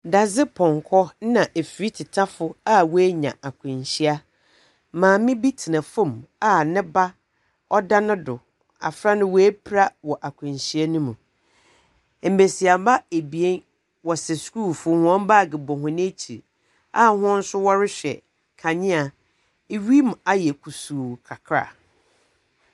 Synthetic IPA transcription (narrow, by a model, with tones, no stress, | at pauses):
da˨zɪ˦pʰɔ̃˨ŋkʰɔ˦nã˨ʔe˨fi˨ɾi˦tʰɪ˨tʰa˦fʊ˦a˦wɔ˦æ˦ɲã̰˨ʔa˨kʰʊ̃˨ɲɕi˦a˦ | mãː˨mɪ̃˦bi˦tʰɪ˨nã˨fõ˦˨ma˦nɪ̃˦ba˦ | ɔ˦da˦nʊ̃˦dʊ˨ | a̰˨fɾa˦nʊ̃˦wɔ˨˦e˦pʰɾa˦wɔ˨ʔa˨kʰʊ̃˨n˨ɕi˦a˦nũ˦mũ˨ | m̩˨be˨si˨a˨ba˦e˨bi˨e˦n | wɔ˨sɛ˨sku˦˨fʊ˦hʊ̃˦ɔ̃˦m˦ba˦˨ɡɪ˨bɔ˨ɦʊ̃˨nɪ̃˦t͡ɕʰi˨ | a˦˨hʊ̃˦n̩˦sʊ˦wɔ˦ɾɪ˦ɕᶣɛ̰˨ | kʰa˨ɲɪ̃˦a˨ | e˦ɥi˦m˨a˨jɛ˨kʰu˨suː˨kʰa˨kʰɾa̰˨